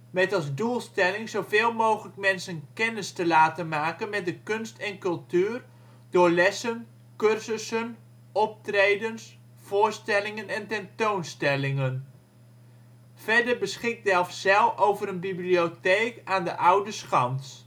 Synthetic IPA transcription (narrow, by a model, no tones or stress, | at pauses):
mɛtɑlˠzdulˠstɛlɪŋzowveːlˠmowχələk̚mɛnsənkɛnəstəlaːtənmaːkənmɛt̚dəkønstɛnkɵlˠtyːər | d̥ʊːɹlɛsən | kørsəsən | ɔp̚trejdəns | v̥oːɹstɛlɪŋənɛntɛntownstɛlɪŋən | fɛɹdəɹbəsχɪk̚dɛlˠfsɛlˠfowvəɾənbiblioteːkaːndəʔʌwdəsxɑnt